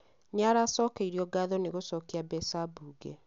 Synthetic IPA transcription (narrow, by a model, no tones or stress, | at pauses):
ɲaɾasɔːkeiɾiɔɡaðɔneɣosɔkiabɛsabuːɡe